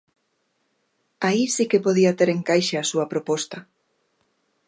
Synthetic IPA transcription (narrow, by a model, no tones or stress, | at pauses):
aisikepoðiɐt̪eɾeŋkajʃeasuɐpɾopɔst̪ɐ